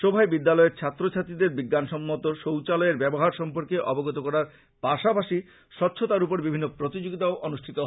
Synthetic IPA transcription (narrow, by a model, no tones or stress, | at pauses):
ʃobʱaebid̪ːalɔeɾt͡ɕʰat̪ːɾot͡ɕʰat̪id̪eɾbiɡːanʃɔmːot̪oʃowt͡ɕalɔeɾbɛboɦaɾʃɔmpoɾkeʔɔboɡot̪̬okɔɾaɾ | paʃapaʃi | ʃɔtːɕʰot̪aɾupoɾbibʱinːopɾot̪id͡ʑoɡit̪aoʔonuʃʈʰit̪oɦ